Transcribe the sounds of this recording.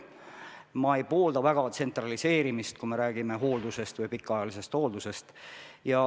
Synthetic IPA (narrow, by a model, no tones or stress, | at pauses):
mɑe̞jpo̞ːld̪̥ɑvæɡ̥ɑt̪se̞nt̪ˑrɑlise̞ːɾimist̪̚kume̞ɾæːɡ̥ime̞ɦo̞ːld̪use̞st̪vɯjpikːˑɑjɑlise̞st̪ho̞ːld̪use̞st̪jɑ